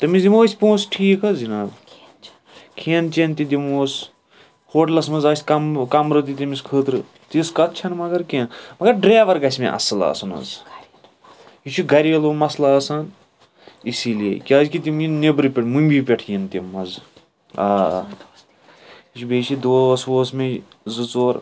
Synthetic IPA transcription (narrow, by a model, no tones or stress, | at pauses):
t̪ɐmisd̪ʲimoːsʲpõːsʈʰiːkɐzinaː | kʰeːnt͡ʃent̪id̪ʲimoːs | hoːʈlɐsmɐzɐːsʲkɐmkɐmɾɨt̪̬it̪imiskʰəːt̪ɾɨ | t̪iskɐt̪̚t͡ʃʰɐnmɐɡɐɾkẽnmɐɡɐɾɖɾeːʋɐɾɡɐsʲmḛ̃ʔɐ̰sɨla̰ːsɐnɐ̰z | ɦit͡ʃʰuɡɐɾʲiʋelomɐslaːsaːn | isilḛkʲaːzkit̪̬ʲimjinnebɾɨpʲeʈʰmumʲbʲipʲeʈʰjint̪imːɐz | a̰ː | it͡ʃʰubʲeːt͡ʃʰid̪oːsʋoːsme | zɨt͡soːɾ